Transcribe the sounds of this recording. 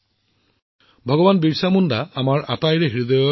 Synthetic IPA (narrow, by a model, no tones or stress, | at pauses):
bʱɔɡɔbanbiɹsamundaamaɹa̰tajɹɛɦiɹid̪ɔjɔ